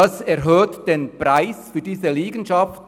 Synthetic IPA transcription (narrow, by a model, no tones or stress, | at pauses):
ɑsɛɐɦøːtd̥eːnpʁ̥aɪsfyːɐdiːzəliːɡən̩ʃɑft